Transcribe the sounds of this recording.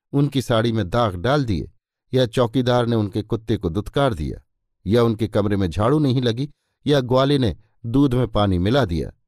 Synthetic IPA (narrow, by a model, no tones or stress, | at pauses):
ʊnkisaːɽimẽd̪aːɡɖaːld̪iḛ | jat͡ʃɔːkid̪aːɾneʊnkekʊt̪ːekod̪ʊt̪kaːɾd̪ḭja̰ː | jaʊnkekɐmɾemẽd͡ʒʱaːɽunɐɦĩlɐɡi | jaɡʊaːlene | d̪uːd̪ʱmẽpaːnimɪlad̪ija̰ː